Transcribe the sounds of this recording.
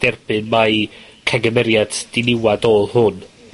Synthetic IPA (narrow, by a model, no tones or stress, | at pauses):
d̥ɛrb̥ɨnmajkʰaɡəmɛɾjad̥d̥ɪnɪwadolˠhʊn